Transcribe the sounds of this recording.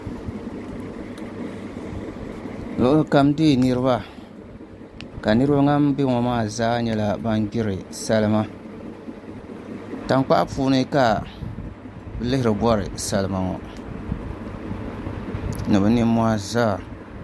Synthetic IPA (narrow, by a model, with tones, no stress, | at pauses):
lʊ˨ʔʊ˦lɨ˦ka˦mdeː˦˨nɨ˦ɾɨ˦βa˦ | ka˨nɨ˦ɾɨ˦ba˦ŋa˦m˦bɪ˦ŋɔ˨maː˦˨zaː˦ɲɛ˦la˦ba˦nɡɪ˦ɾɨ˨sa˦lɨ˦ma˦ | ta˨ŋk͡pa̰˦ʔa˦puː˦nɨ˦ka˨ | bɨ˦lɪ˦hɪ˨ɾɨ˨bɔ˦ɾɨ̰˨sa˦lɨ˦ma˨ŋɔ̰˨ | nɨ˨bɨ˦nɪ˦mː˦a˦zaː˦˨